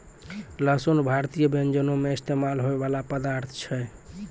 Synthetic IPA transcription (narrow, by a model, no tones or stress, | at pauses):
ləsonbʱaɾt̪ijəbend͡ʒənomeist̪emalɦoebalapəd̪aɾt̪ʰt͡ʃʰɛ